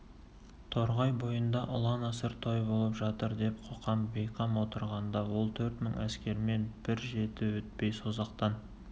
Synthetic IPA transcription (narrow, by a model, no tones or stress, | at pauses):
t̪ʰo̞ɾʁɑjbo̞jənd̪ɑʔʊlˠɑnɑsəɾt̪ʰojbo̞lˠəpʒɑt̪əɾd̪e̞p̚qʰoqʰɑmbe̞jqʰɑmwo̞t̪əɾʁɑnd̪ɑwo̞lˠt̪ʰɵɾt̪məɴʔæskʲe̞ɾɪme̞nb̥ɪɾʒe̞t̪ɪwɵt̪̚pe̞jso̞zɑqt̪ɑn